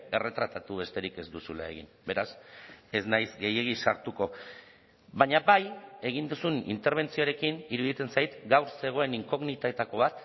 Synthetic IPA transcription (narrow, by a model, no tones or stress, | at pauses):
e̞re̞t̪ɾat̪at̪uβe̞st̪e̞ɾike̞zd̪usula̰e̞̰ɣḭnbe̞ɾase̞znajzɡe̞je̞ɣ̞isaɾt̪uko̞ | βaɲabaje̞ɣ̞ind̪usunḭnt̪e̞ɾβ̞e̞nt͡sioɾe̞kiniɾuðit̪e̞nsajt̪ɡawɾse̞ɣ̞o̞e̞niŋko̞ɣnit̪aet̪ako̞β̞at̪